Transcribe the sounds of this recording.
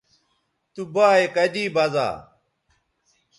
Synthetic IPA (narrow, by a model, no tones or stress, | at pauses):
t̪ubaːekɐdiːbɐza̰ː